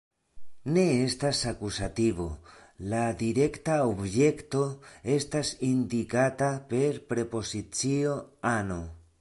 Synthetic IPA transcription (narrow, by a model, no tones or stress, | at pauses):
ne̞est̪asakusat̪iβo̞̰lad̪iɾe̞kt̪aobje̞kt̪o̞e̞st̪asind̪ikat̪ape̞ɾpɾe̞po̞sit͡sio̞ano